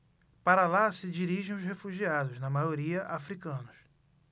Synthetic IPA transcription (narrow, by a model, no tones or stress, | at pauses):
paɾɐlasɪd͡ʒiɾiʒẽj̃ʊzhefuʒiad̪ʊznɐmajoɾiɐʔafɾikɐ̃nʊs